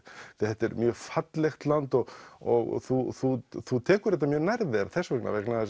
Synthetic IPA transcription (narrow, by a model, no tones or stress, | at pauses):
θhɛt̪ːɛɾmjœːfat̪lɛxt̪lant̪ɔɣɔɣθuθuθut̪ʰɛːkʏɾɛt̪ːamjœːɾnajɾðɪaɾθɛsːvɛkna̰vɛknað